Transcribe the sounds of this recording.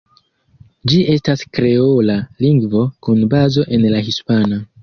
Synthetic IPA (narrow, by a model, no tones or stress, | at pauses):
d͡ʒiʔe̞staskɾe̞olaliŋɡvo̞kunbazo̞ʔe̞nlaɦispana